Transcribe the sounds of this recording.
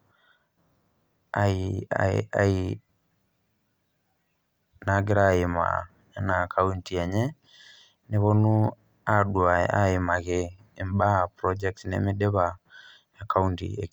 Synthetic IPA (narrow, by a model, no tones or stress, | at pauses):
aḭ | a̰i | naɡeɾaema̰ | nakʰauntiɛɲɛ | neβonu | aɗwaaemaɣɛː | mbapɾɔd͡ʒɛk̚tnḛmiɗeβa | akauntḭe